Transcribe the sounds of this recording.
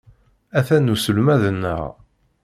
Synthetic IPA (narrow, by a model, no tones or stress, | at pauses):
æθænːusəlmæðənːə̰ʁ